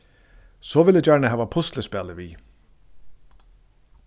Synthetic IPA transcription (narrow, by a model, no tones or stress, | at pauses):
sɔvɪlɪt͡ɕaɹɳɪɦæːvapʰʊst̪ləspɛːlɪviː